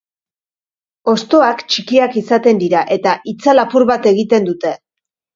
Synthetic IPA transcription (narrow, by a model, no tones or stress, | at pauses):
o̞st̪o̞akt͡ʃikiakisat̪e̞nd̪iɾaʔe̞t̪aʔit͡salapuɾβat̪e̞ɣit̪e̞nd̪ut̪e̞